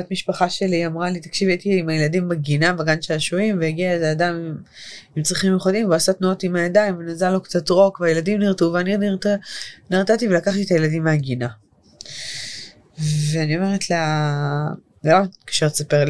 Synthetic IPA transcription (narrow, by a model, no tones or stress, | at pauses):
atmiʃpaχaʃe̞liamʁalit̪ḁkʃivejt̪iimajeladimbaɡinabaɡanʃelaʃuimvejiɡiaezeadamm | imt͡sʁiχimjoχodimvoasatnuo̞timhajadajmvenazalokt͡sat̪ʁo̞kvajeladimniʁtuveaniniʁtniʁtativelakaχt̪it̪ajeladimːeaɡina | veanio̞meʁetla | lokḁʃeʁt͡sapeʁl